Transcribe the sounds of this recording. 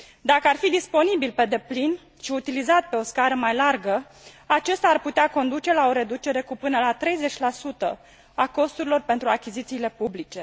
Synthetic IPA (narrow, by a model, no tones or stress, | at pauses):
d̪akəarfid̪ispo̞nibilpe̞d̪e̞plin | ʃiut̪ilizat̪̚pe̞o̞skaɾəmajlarɡə | at͡ʃe̞st̪aːrput̪eako̞nd̪ut͡ʃe̞lao̞ɾe̞d̪ut͡ʃe̞ɾe̞kupɨnəlat̪ɾe̞jze̞t͡ʃʲlasut̪ə | ako̞st̪uɾilo̞rpe̞nt̪ɾuakʲizit̪siːle̞publit͡ʃe̞